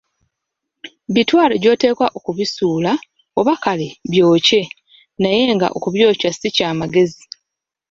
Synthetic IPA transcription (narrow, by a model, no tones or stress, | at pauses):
βitwaːloɟo̞ːte̞ːkwaʔo̞kuβisuːla | oβakaleβjo̞ːce̞ | naje̞ŋɡa̰ʔo̰kuβjo̞ːcwasicaːmaɡe̞zi